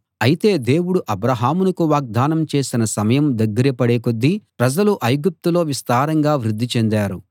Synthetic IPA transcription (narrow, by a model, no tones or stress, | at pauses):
ɐjit̪e̞ːd̪e̞ːwuɽuʔɐbɾaɦaːmunɐkuʋaːɡ̚d̪aːnɐmt͡ʃe̞ːsinɐsɐmɐjɐmd̪ɐɡːɐɾipɐɽeːkod̪ːipɾɐd͡ʒɐluʔɐjɡup̚t̪ulo̞ːʋist̪aːɾɐŋɡaːʋɾud̪ːit͡ʃend̪aːɾu